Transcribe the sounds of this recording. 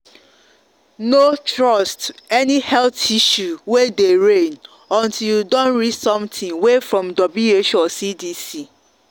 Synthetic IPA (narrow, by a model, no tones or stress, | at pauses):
notɹɔstɛnihɛltiʃuwedeɹẽn | ɔ̃ntʰiljudõnɹidsɔ̃mtʰĩŋwefɹɔ̃mdɔblueʃɔsidisi